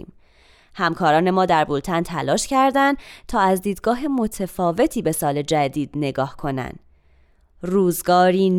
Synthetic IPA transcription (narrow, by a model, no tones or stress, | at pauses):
m | hæmkʰɒːɾɒːne̞mɒːd̪æɾbult̪ʰænt̪ʰælɒːʃcæɾd̪ænd̪t̪ʰɒːæzd̪iːd̪ɡɒːɦemo̞t̪ʰefɒːve̞t̪ʰiːbe̞sɒːle̞d͡ʒæd̪iːd̪̥ne̞ɡɒːhkʰo̞næ̰nd̪̥ | ruːzɡɒːɾiːn